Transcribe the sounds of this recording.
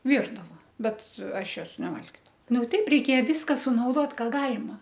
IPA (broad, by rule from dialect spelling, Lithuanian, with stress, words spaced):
ˈʋʲiːrdɐʋɐ ˈbʲɛt ˈɐʃ ˈjoːs nʲɛˈʋɐlʲɡʲɪdɐʋɐʊ ˈnʊ ˈtʲɛɪp rʲɛɪˈkʲeːjɛ ˈʋʲiːskɐ sʊnɐʊˈdoːt ˈkɑː ˈɡɑːlʲɪmɐ